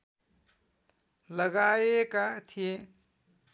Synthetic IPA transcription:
lʌɡajekat̪ʰije

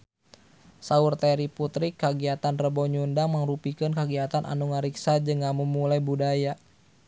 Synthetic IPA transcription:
saurt̪ɛɾiput̪ɾikːaɡiat̪anrəbɔɲundaŋməŋrupikɨnkaɡiat̪anʔa̰nuŋaɾiksad͡ʒɨŋːamumulajbudaja

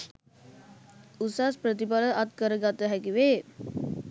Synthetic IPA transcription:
usaspɾət̪̬ipaləʔat̪kəɾəɡat̪əɦækiʋeː

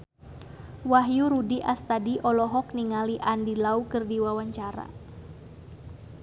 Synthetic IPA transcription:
waɦjuɾudiʔast̪adiʔɔlɔɦɔk̚niŋaliʔandilaukɨrdiwawaɲt͡ʃaɾa̰

